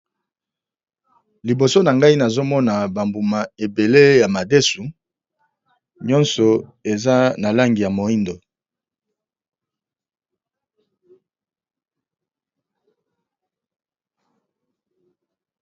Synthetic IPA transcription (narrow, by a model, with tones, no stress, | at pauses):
li˨bo˨so˦na˨ŋɡa˦i˦na˨zo˦mɔ˦na˨ba˨mbu˨ma˨e˨be˨le˦ja˨ma˨de˦su˨ | ɲɔ˦nsɔ˨e˨za˦na˨la˦ŋɡi˨ja˨mo˨i˦ndo˨